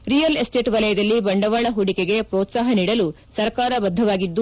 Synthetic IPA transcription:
ɾijɐlesʈeːʈʋɐlɐjɐd̪ɐlːibɐɳɖɐʋaːɭɐɦuɽikeɡe̞pɾoːt̪saːɦɐniːɽɐlu | sɐɾkaːɾɐbɐd̪ʱːɐʋaːɡid̪ːu

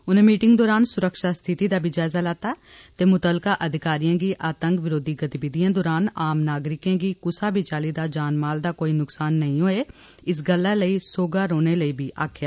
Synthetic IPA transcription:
ʊn̤ẽːmiːʈɪ̃ŋɡd̪ɔːɾaːnsʊɾəkʃaːst̪ʰɪt̪iːd̪aːbʱid͡ʒaːzaːlaːt̪aː | t̪eːmʊt̪əlkaːʔəd̪ʱɪkaːɾijãːɡiːʔaːt̪ə̃ŋkʋɪɾoːd̪ʱiːɡət̪ibɪd̪ijãːd̪ɔːɾaːnaːmnaːɡɾɪkjãːɡiːkʊsaːbʱit͡ʃaːliːd̪aːd͡ʒaːnmaːld̪aːkoːiːnʊksaːnːəɦĩɦoːeː | ɪs̬ɡəlːaləiːsoːɡaːɾoːneːləiːbʱiːʔaːkʰjaː

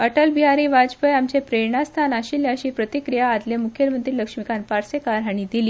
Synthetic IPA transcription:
əʈəlbiɦaɾiːʋad͡zpəjamt͡ɕepɾeɳast̪ʰanaɕilːjaəɕiːpɾət̪ikɾijaːd̪ljamukʰjeɾmənt̪ɾiːləkʂmikanpaɾsekaɾaɽ̃id̪iliː

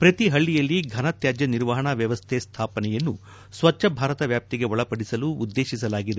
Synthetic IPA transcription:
pɾɐt̪iɦɐɭːijɐlːiɡʱɐnɐt̪jaːd͡ʒjɐniɾʋɐɦɐɳɐʋjɐʋɐst̪ʰɛːst̪ʰaːpɐnɛjɐnːu | sʋɐt͡ʃːʃɐbʱaːɾɐt̪ɐʋjaːp̚t̪iɡe̞ɔɭɐpɐɽisɐluːd̪ːe̞ːʃisɐlaːɡid̪e

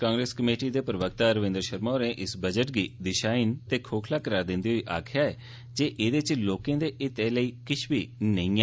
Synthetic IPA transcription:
kãːŋɡɾeːskəmeːʈiːd̪eːpɾəʋək̚t̪aːɾəʋɪ̃ːnd̪əɾʃəɾmɔːɾẽːʔɪsbəd͡ʒəʈ̚ɡiːd̪ɪʃaːint̪eːkʰoːkʰlaːkəɾaːɾd̪ɪ̃nd̪iːɦoiːʔa̰ːkʰɪjaːɛː | d͡ʒeːʔeːd̪et͡ʃloːkẽːd̪eːʔɪt̪eːləiːkɪʃʰbiːnəĩːɛ

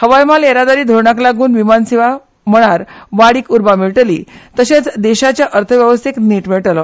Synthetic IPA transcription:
həʋajmaleɾad̪aɾiːd̪ʱoɾɳaklaɡuːnʋimansiʋa | m̤əɽ̃aɾʋaɽiːkuɾbameɭʈəlḭːt̪əɕet͡sd̪eɕat͡ɕjaʔəɾt̪ʰəʋjəʋəst̪ʰekniʈmeɭʈlɔ

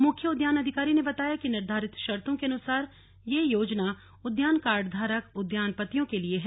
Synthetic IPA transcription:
mʊkʰjəʊd̪jaːnɐd̪ʱɪkaːɾinebɐt̪aːjakinɪɾd̪ʱaːɾɪt̪ʃɐɾt̪õkeɐnʊsaːɾ | jejoːd͡ʒna | ʊd̪jaːnkaːɾɖd̪ʱaːɾəkʊd̪jaːnpət̪ijõkelieɦɛ

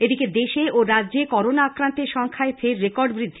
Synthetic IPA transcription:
ed̪iked̪eʃeʔoɾadːʑekɔɾonaakɾant̪eɾʃɔŋkʰaefeɾːekɔɾɖbɾid̪ʱːi

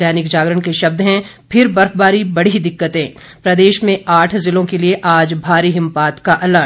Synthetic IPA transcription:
ɛːnɪkd͡ʒaːɡɾəɽ̃keʃɐb̚d̪ɦɛ̃ | pʰɪɾbɐɾkbaːɾibɐɽ̤id̪ɪkːət̪ẽː | pɾɐd̪eːʃmẽaːʈʰzɪlõkelieʔaːd͡ʒbʱaːɾiɦɪ̃mpaːt̪kaʔɐlə

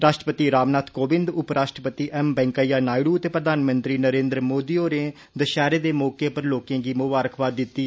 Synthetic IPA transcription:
ɾaːʃʈəpət̪iːɾaːmnaːt̪ʰkoːbɪ̃nd̪ʊpɾaːʃʈɾəpət̪iːʔɛmbɛ̃ːŋkaːjaːnaːiɽuːət̪eːpɾəd̪aːnmənt̪ɾiːnəɾẽːnd̪ɾəmoːd̪iːoːɾẽː | d̪əʃɛːɾeːd̪eːmɔːkeːpəɾloːkẽːɡiːmʊbaːɾəkʰʋaːd̪ɪt̪ːiː

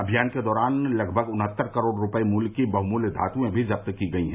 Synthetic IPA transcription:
ɐbʱijaːnked̪ɔːɾaːnlɐɡbʱəɡʊnɦət̪ːəɾkəɾoːɽɾʊpəimuːlkibɐɦmuːld̪ʱa̰ːt̪ũẽbʱizɐp̚t̪kiɡɐiɦɛ̃ː

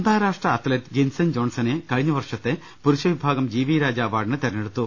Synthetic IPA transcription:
nd̪ʱaːɾaːʂʈrɐːt̪leʈɡensɐnd͡ʒoːnsɐneːkɐɻiɲːɐʋɐrʂɐt̪ːe | puɾuʃɐʋibʱaːɡɐmd͡ʑiːʋiːɾaːd͡ʑaːʋaːɖnɨt̪ɐɾɐneɽut̪ːu

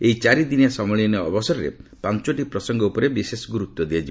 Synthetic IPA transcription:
ejt͡ʃaɾid̪inasɔmɔɭinɔɔbɔsɔɾɔɾḛpant͡ʃɔʈipɾɔsɔŋɡɔupɔɾebisesɔɡuɾut̪ːɔd̪iat͡ʃʰi

